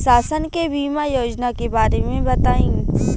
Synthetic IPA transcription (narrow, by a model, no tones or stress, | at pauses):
saːsənkebʱiːmajoːd͡ʒnakebaːɾemẽbɐt̪aːĩ